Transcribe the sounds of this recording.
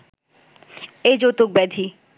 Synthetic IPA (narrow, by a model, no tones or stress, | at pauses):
ed͡ʑot̪ok̚bɛd̪ʱi